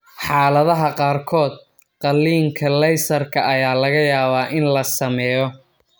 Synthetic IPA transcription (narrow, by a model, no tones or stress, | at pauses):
ħɑːlɐðɐɦɐqɑːrkʰɔːd̪̚ | qɑlːiːŋkʰɐlɛjsɐrkʰɐʔɐjaːlɐɣɐjaːβaːʔɪnlɐsɐmɛːjɔ